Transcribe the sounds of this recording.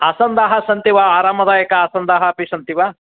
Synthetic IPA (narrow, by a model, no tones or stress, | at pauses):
asɐnd̪aːɦɐsɐnt̪iʋaaːɾaːmɐd̪aːjɐkɐaːsɐnd̪aːɦɐpisɐnt̪iʋa